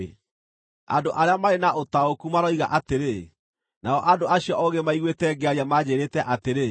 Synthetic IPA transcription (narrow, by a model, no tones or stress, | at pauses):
a̰doʔaɾeamaɾenaotaokumaɾɔiɣaʔateɾe | naɔʔadoʔaɕiɔʔɔɣemaiɣwetɛːɡɛaɾiamad͡ʑeɾeːtɛʔateɾe